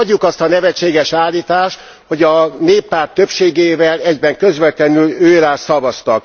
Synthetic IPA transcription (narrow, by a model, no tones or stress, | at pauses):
ɒɟːukɒst̪ɒnɛvɛt͡ʃːeːɡɛʃaːlːiːt̪aːʃt̪ | ho̞ɟɒneːpːaːrt̪ːøpʃeːɡeːvɛlɛɟbɛŋkø̞zvɛt̪lɛnyløːɾaːsɒvɒst̪ɒk̚